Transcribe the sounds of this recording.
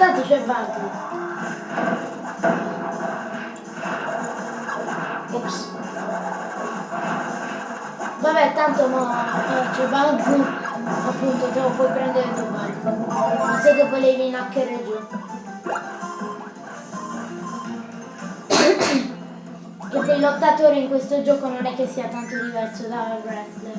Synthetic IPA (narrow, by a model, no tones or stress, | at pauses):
tatusʷevatu | oks | baβetan̩tomɔtot͡ʃebaŋɡuapːunt̪od͡ʒɔopwɔjpɾɛnd̪eɾeloa | asekːevoleveinakːeɾed͡ʒ̪i | ked̪ejlot̪ːat̪oːɾeiŋkwest̪od͡ʒɔːkononɛkːesːiat̪ant̪od̪ivɛrsod̪aaɡɾɛtːe